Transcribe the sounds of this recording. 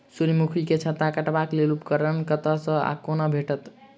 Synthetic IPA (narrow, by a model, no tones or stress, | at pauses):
suɾmukʰiket͡ʃʰət̪akəʈbaklelupkəɾənkət̪əsə̃a̰konəbʱeʈət̪